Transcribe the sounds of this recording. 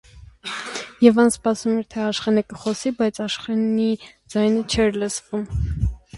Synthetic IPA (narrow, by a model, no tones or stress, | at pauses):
jɛvɑnspɑsumɛɾt̪ʰɛɑʃχɛnəkəχɔsibɑjt͡sʰɑʃχɛnid͡zɑjnət͡ʃʰɛɾləsvum